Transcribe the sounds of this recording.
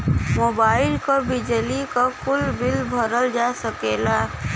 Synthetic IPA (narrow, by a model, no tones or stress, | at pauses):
mobaːɪlkəbid͡ʒəlikəkulbilbʱəɾəld͡ʒasəkela